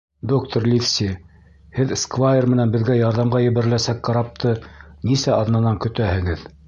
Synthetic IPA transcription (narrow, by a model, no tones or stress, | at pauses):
d̪ok̚t̪oɾlʲifsʲi | hɘðskvajermɘ̆nænbɘ̆ðɡæjɑɾðɑmʁɑjɘ̆βæ̆ɾɘ̆læsækqɑɾɑp̚t̪ʰɤnisæɑðnɑnɑŋkɵ̆t̪æhɘ̆ɡɘð